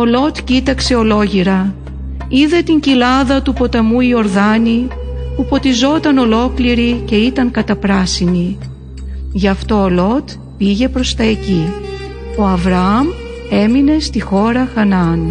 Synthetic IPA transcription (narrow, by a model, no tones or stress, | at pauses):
o̞lo̞t̪cit̪ɐkse̞o̞lo̞ʝiɾɐ | iðe̞t̪iɲcilɐðɐt̪upo̞t̪ɐmuio̞ɾðɐni | pufo̞t̪izo̞t̪ɐno̞lo̞kliɾice̞it̪ɐŋkɐt̪ɐpɾɐsini | ʝɐft̪o̞ːlo̞t̪ | piʝe̞pɾo̞st̪ɐe̞ci | o̞ɐvɾɐɐm | e̞mine̞st̪ixo̞ɾɐxɐnɐn